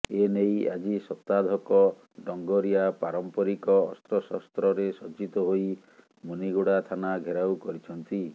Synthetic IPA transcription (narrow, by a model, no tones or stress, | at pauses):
eneja̰d͡ʒisɔt̪ad̪ʱɔkɔ | ɖɔŋɡɔɾiapaɾɔmpɔɾikɔːst̪ɾɔsɔst̪ɾɔɾesɔd͡ʒit̪ɔɦoj | muniɡoɽat̪ʰanaɡʱeɾawkɔɾit͡ʃʰɔnt̪i